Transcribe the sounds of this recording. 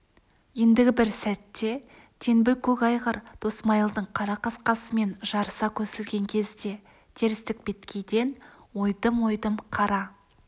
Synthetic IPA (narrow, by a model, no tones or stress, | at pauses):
je̞nd̪ɪɡʲɪbɪɾsæt̪ːe̞ | t̪ʰe̞nbɪlkʲʰɵkɑjʁəɾd̪̥o̞smɑjəlˠd̪əɴqʰɑɾɑqɑsqɑsəme̞nʒɑɾsɑkʲʰɵsɪlɡʲe̞ŋkʲʰe̞zd̪e̞ | t̪ʰe̞ɾɪst̪ɪk̚be̞t̪kʲʰe̞jd̪e̞nwo̞jd̪əmwo̞jd̪əmqʰɑɾɑ